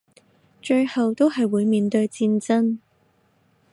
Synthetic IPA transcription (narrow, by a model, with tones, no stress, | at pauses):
t͡ʃɵ˧ɥhɐ˨wt̪o˥wɦɐ˨jwuː˨˧jmiː˨nt̪ɵ˧ɥt͡siː˧nt͡sɐ˥n